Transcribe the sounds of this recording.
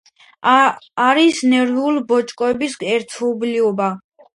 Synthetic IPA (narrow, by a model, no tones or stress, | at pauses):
ɾisnɛɾvulbɔt͡ʃʼkʼɔɛbisɡɛɾt̪ʰɔbliɔba